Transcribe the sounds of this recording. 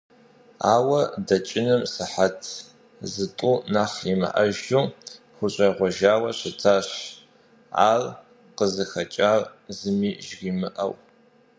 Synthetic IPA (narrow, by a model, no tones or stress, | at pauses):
aːwɐdɐt͡ʃʼɪnɨmsɨħatʰ | zɨtʷʼʊnaːχimɨ̰ʔɐ̰ʒu | xʷʊɕʷʼɐʁʷɔʒaːwɐɕɪtʰaːɕ | a̰ːr | qəzɨxɐt͡ʃʼaːrzɨmiːʒɣimɨʔɐ̰w